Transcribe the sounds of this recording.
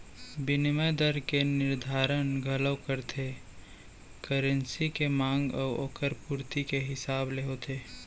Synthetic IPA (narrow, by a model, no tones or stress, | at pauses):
bɪnməd̪əɾkenɪɾd̪ʱaːɾənɡʱələwkəɾt̪ʰe | kəɾə̃nsikemãːŋɡɔ̰ːo̰ːkəɾpuːɾt̪ikeɦɪsaːbleɦot̪ʰeː